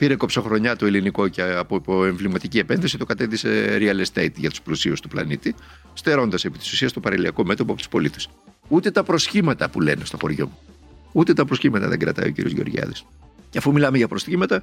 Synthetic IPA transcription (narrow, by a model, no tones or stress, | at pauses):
piɾe̞kopso̞xɾo̞ɲɐt̪oiliniko̞ceɐpooe̞ɱvlimɐt̪icie̞pe̞nθisit̪okɐt̪eðise̞ɾiɐlest̪ejt̪ʝɐt̪u̥splusiust̪uplɐ̰nit̪i | st̪e̞ɾo̞nd̪ɐse̞pit̪i̥su̥siɐst̪o̞pɐɾɐliɐko̞me̞t̪opoɐpot̪u̥spo̞lit̪es | ut̪e̞t̪ɐpɾo̞sçimɐt̪ɐpule̞̰ne̞st̪oxo̞̰ɾʝo̞̰mu | ut̪e̞t̪ɐpɾo̞sçimɐt̪ɐ̰ðeɡɾɐ̰t̪ɐ̰ḭocḭɾḭozʝeo̞̰ɾʝɐ̰ðis | ceɐfumilɐmeʝɐpɾo̞sçimɐt̪ɐ